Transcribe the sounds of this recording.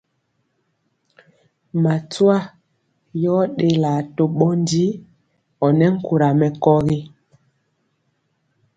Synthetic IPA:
ma˨twa˦ | jɔ˦ɗe˦la˨to˨ɓɔ˦n˦di˦ | ɔ˨nɛ˦ŋ̩˦ku˨ɾa˨mɛ˨kɔ˦ɣi˦

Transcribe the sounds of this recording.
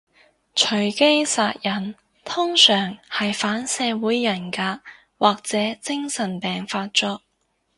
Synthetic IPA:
t͡ʃʰɵ˨˩ɥke˥jsaː˧t̚jɐ˨˩n | t̪ʰʊ˥ŋsœː˨˩ŋhɐ˨jfaː˨˥nsɛː˨˧wuː˨˥jːɐ˨˩nkaː˧ | waː˨k̚t͡sɛː˨˥t͡sɪ˥ŋsɐ˨˩npɛː˨ŋfaː˧t̚t͡ʃɔ˥k̚

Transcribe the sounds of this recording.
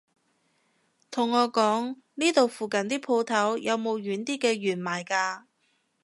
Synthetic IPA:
t̪ʰʊ˨˩ŋːɔː˨˧kɔː˨˥ŋ | niː˥t̪o˨wfuː˨kɐ˨nt̪iː˥pʰo˧wt̪ʰɐ˨˥wjʔɐ˨˧wmo˨˧wjyː˨˥nt̪iː˥kɛː˧ɥyː˨˩nmaː˨˩jkaː˧

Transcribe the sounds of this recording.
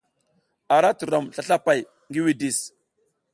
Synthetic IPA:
a˨ɾa˦tu˨ɾo˨mɬa˦ɬa˦pa˨j | ŋɡi˦wi˨di˨s

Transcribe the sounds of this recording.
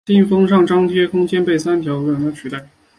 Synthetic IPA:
i˥˩nfɤ˥ŋʂɑ˥˩ŋʈ͡ʂɑ˥ŋt̪ʰjɛ˥kʰʊ˥ŋt͡ɕjɛ˥npe˥˩ɪsa˥nt̪ʰjɑ˧˥ʊ˧˥wɛ˨˩ŋt̪a˥t͡ɕʰy˨˩t̪a˥˩ɪ

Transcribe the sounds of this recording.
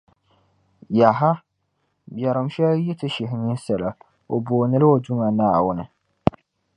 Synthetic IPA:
ja˨ɦa˦ | bjɛ˨ɾɨ˨mʃɛ˦lji˦tɨ˦ʃɪ˨ɦɪ˨ɲi˦sɛ˨la˨ | o˨boː˨nɨ˦lɨ˦o˨du˦ŋa˨naː˦˨wʊ˦nɨ˨

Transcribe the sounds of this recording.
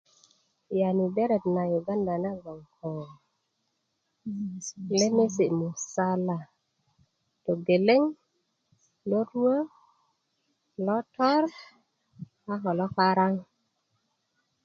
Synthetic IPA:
ja˨ni˨be˦ɾe˨tna˨jo˨ɡa˦nda˨na˦ɡo˨ŋkʰɔ˨n˨ | le˦me˦si˨mu˨sa˦la˨ | to˨ɡe˨le˦ŋ | lo˦ɾo˦ | lɔ˦tɔ˦ɾ | a˦ɦɔ˨lɔ˦ka˦ɾa˦ŋ

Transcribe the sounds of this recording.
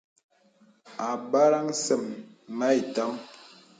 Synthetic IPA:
a˨ba˦ɾa˦ŋ˦sə˨mː | a˦i˨ta˦m

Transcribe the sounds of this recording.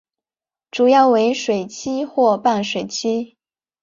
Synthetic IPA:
ʈ͡ʂu˨˩jɑ˥˩ʊwe˧˥ɪʂwe˨˩ɪt͡ɕʰi˥xwɔ˥˧pa˥˩nʂwe˨˩ɪt͡ɕʰi˥

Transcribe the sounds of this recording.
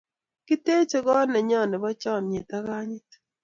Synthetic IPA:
ki˦te˦t͡ʃe˦ɡɔ˦nɛ˨ɲɔ˦˨nɪ˨bɔ˦t͡ʃɔ˦˨n˨e˨ta˦ɣa˦ɲɪ˦t

